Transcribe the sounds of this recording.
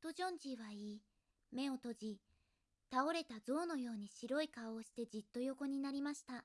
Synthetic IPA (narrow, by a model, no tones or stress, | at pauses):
t̪oʑõ̞ɲ̟d͡ʑiβaiː | me̞o̞t̪o̞ʑi | t̪ao̞ɾe̞t̪azo̞ːno̞jo̞ːɲ̟iɕiɾo̞ikaoːɕi̥t̪e̞d͡ʑit̪ːo̞jo̞ko̞ɲ̟inaɾʲimaɕi̥t̪a